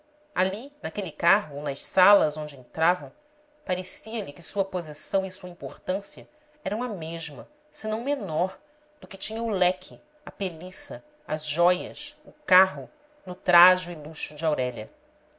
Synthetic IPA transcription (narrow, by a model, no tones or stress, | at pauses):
alinakelɪkaɦʊnɐʃsalɐzõd͡ʒɪẽnt̪ɾavɐ̃w̃ | paɾesiɐlɪkɪsuɐpozisɐ̃w̃isuɐĩpoχt̪ɐ̃siɐ | ɛɾɐ̃w̃ɐmeʒmɐ | sɪnɐ̃w̃menɔɾ | d̪̥ʊkɪt͡ʃĩɲɐʊlɛkʰɪ | ɐpelisɐ | ɐzʒɔjɐ̰sʊkaɦʊ | nʊt̪ɾaʒʊɪluʃʊd͡ʒɪawɾɛʎɐ̰